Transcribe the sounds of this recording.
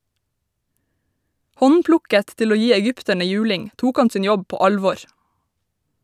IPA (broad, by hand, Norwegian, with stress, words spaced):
ˈhɔnˌplʊkət ˈtɪl ˈoː ˈjiː ɛˈɡʏptəɳə ˈjʉːlɪŋ ˈtuːk ˈɑn ˈsiːn ˈjɔb ˈpoː ˈɑlʋɔɹ